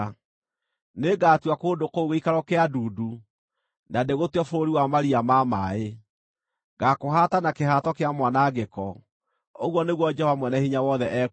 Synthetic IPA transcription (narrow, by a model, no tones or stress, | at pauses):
neɡaːtwakoːdokouɣeikaɾɔkeaduːdu | nadeɣotwɔfoɾoɾiwamaɾiamamae | ɡakoɦatanakeɦatɔkeamwanaɡekɔ | oɣwɔneɣwɔd͡ʒɛhɔvamwɛnɛhiɲawɔðɛʔɛ